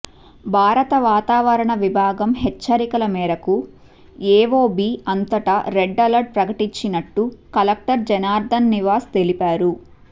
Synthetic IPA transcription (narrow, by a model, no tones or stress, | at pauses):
bʱaːɾɐt̪ɐʋaːt̪aːʋɐɾɐɳɐʋibʱaːɡɐmɦɛt͡ʃːɐɾikɐlɐmɛːɾɐku | ɛːʋoːbiːɐnt̪ɐʈɐɾeɖːɐlɐɾɖ̚pɾɐkɐʈiɲt͡ʃinɐʈːukɐlɐk̚ʈɐɾd͡ʒɛnaːɾd̪ʱɐnːiʋaːst̪elipaːɾu